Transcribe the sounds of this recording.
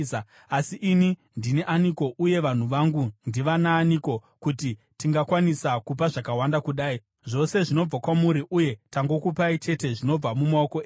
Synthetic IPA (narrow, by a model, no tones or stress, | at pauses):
asiʔini | ndine̞ʔaniko̞ʔuje̞ʋan̤uʋaŋɡundiʋanaːniko̞ | kuti | tiŋɡakwanisakup̬aʐakawandakuɗaːi | ʐo̞se̞ʐino̞b͡vakwamuɾiʔuje̞taŋɡo̞kupait͡ʃe̞te̞ʐino̞b͡vamumao̞ko̞eː